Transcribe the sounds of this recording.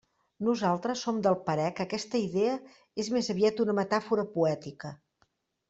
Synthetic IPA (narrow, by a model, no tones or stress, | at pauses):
nuzalˠt̪ɾəsːomd̪əlˠpəɾɛkəkɛst̪əiðeə | ezmezəβiat̪unəmət̪afuɾəpuɛt̪ikə